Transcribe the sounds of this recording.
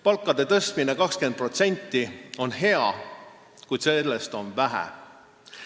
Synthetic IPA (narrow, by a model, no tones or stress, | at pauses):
pɑlkːˑɑd̪e̞t̪ɤst̪minekɑkske̞n̚pro̞t̪se̞nʲt̪ˑːio̞nhe̞ɑ̰ | kujt̪selːest̪o̞nvæɦæ̰